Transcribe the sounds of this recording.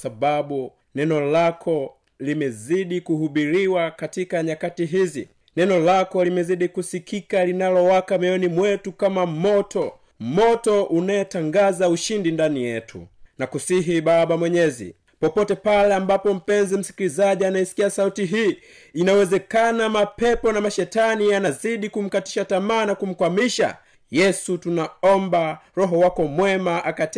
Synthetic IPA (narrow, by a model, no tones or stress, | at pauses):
saɓaɓu | nɛnɔlakʰɔ | limɛziɗikuhuɓiɾiwakatikaɲakatiɦizi | nɛnɔlakɔlimɛziɗikusikikalinalɔwakamɛɔnimwɛtukamamɔtʰɔ | mɔtɔʔunaɛtaŋɡazauʃindindanijɛtʰṵnakusiɦiɓaɓamwɛɲɛzḭ | pɔpɔtɛpalɛambapɔm̩pɛnzim̩si̥kilizaʄianaisi̥kiasautiɦiː | inawɛzɛkanamapɛpɔnamaʃɛtanianaziɗikum̩kati̥ʃatamaːnakum̩kwamiʃa̰ | jɛsutunaɔmbaɾɔɦɔwakɔmwɛmaʔakat